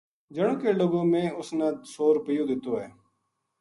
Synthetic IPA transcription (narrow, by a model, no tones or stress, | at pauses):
d͡ʒəɽ̃õːkeːloːɡõːmẽːʊsnãːsoːɾpijõːd̪ɪt̪oːɦɛː